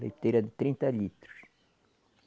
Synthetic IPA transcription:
lḛjt̪ejɾɐd̪ɨt̪ɾĩnt̪ɐʎit̪ɾu̥ʃ

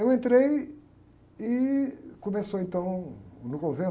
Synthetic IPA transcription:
ewẽnt̪ɾej | ikumesoẽnt̪ɐ̃w̃nʊkõvẽ

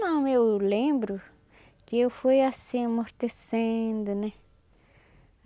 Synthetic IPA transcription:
ãmẽulẽmbɾu | kefejasĩmõɾt̪esẽnd̪unẽ

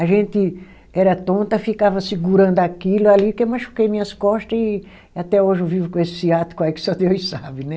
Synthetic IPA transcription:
aʒẽnt̪ɪ | ɛɾɐt̪õnt̪ɐfikavɐsiɡuɾɐ̃nd̪ʊakilʊalikemaʃu̥kejmĩɲɐskɔʃt̪ɐzɪ | at̪ɛoʒɪvivʊkõesɪ̥siat̪ʊ̥kõɛkɪ̥sɔd̪oisabɪnɛ

